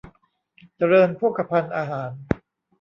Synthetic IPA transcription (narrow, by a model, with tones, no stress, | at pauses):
t͡ɕa˧ɾɤː˧npʰu˥˩kːa˧pʰa˧nʔaː˧ɦaː˩˦n